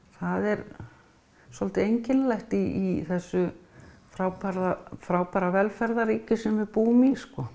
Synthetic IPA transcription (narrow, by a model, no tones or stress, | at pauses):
θaðɛɾ | sɔlt̪ɪejɲcɪnlajht̪iːθɛsːʏfɾaːwpaɾðafɾaːwpaɾavɛlfɛɾðaɾiːcʏsɛmvɪpuːmiskɔ